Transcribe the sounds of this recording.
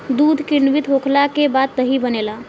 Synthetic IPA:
d̪ud̪ʱkiɾnʋit̪ɦokʰlakebad̪̚ːəɦibənela

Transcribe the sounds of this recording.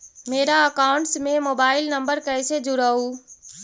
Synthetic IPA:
meːɾaəkaʊɳʈsmemoːbaːɪlnəmbəɾkəjsed͡ʒuɾəu

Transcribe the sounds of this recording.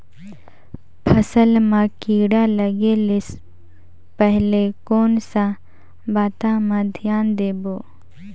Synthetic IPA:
pʰəsəlmãkiːɽaləɡelɪs | pəɦlekoːnsa | baːt̪amãd̪ʱɪjaːnd̪eːboː

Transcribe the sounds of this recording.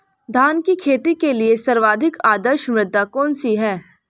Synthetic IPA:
d̪ʱaːnkikʰeːt̪ikeliesɐɾʋaːd̪ʱɪkaːd̪əɾʃmɾɪd̪ːakɔːnsiɦɛː

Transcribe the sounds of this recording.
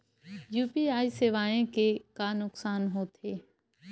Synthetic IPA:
juːpiːaːiseʋaːẽkekaːnʊksaːnɦoːt̪ʰeː

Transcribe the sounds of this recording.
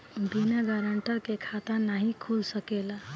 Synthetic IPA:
binaɡaɾəɳʈəkekʰat̪anaɦikʰulsəkela

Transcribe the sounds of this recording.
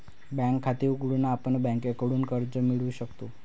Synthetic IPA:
bɛ̃kʰːat̪iːuɡɽunaːpəɳbɛ̃ŋkekəɽuːnkəɾd͡zəmiɭuɕəkt̪o

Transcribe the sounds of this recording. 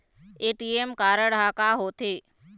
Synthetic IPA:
eːʈiemkaːɾəɽɦaːkaːɦoːt̪ʰeː

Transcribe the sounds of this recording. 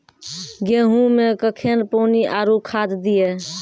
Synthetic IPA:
ɡeɦũmekəkʰenpoːniʔaɾukʰad̪d̪ije

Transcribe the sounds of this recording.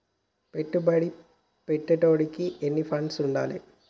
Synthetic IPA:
peʈːɨbɐɽi | peʈːɐʈːoːɽikʲːɨʔenːifɐnsuɳɖa̰ːlḛ

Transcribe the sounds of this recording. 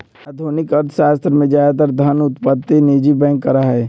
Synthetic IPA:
ad̪ʱoːnɪkəɾt̪ʰʃaːst̪ɾəmẽd͡ʒaːd̪t̪̬əɾd̪ʱɐnʊt̪pət̪ːeneːd͡ʒibɛ̃ːŋkːəɾaɦɦɛː

